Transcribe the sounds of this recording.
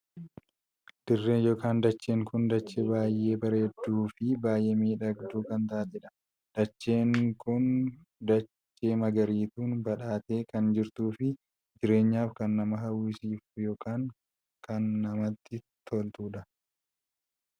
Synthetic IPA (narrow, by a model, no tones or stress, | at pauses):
d̪̥ɪrːeːnjo̞ːkaːnd̪ɐt͡ʃːe̞ːŋkʊnd̪ɐt͡ʃːɛbaːjʔːe̞ːbɐɾeːd̪ːuːfɪbaːjʔe̞ːmiːᶑɐɡd̪uːkɐnt̪aʔɐd͡ʒɛᶑɐ̥ | d̪̥ɐt͡ʃːe̞ːŋkʊn | d̪ɐt͡ʃːe̞ːmɐɡɐɾiːt̪uːnbɐᶑaːt̪e̞ːkɐnd͡ʒɪɾt̪uːfɪ | d͡ʒɪɾe̞ːɲːaːfkɐnːɐmɐɦɐwisiːfjo̞ːkʰaːŋ | kɐnːɐmɐt̪ːɪ | t̪ʰolt̪uːᶑ̪ɐ